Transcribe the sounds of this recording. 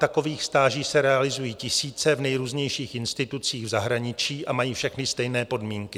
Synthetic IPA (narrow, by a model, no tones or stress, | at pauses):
t̪ako̞viːxst̪aːʒiːsɛɾɛalɪzujiːcɪsiːt͡sɛvnɛjɾuːzɲɛjʃiːxɪnst̪ɪt̪ut͡siːɣvzaɦɾaɲɪt͡ʃiːʔʔamajiːfʃɛxnɪst̪ɛjnɛːpo̞dmiːŋkɪ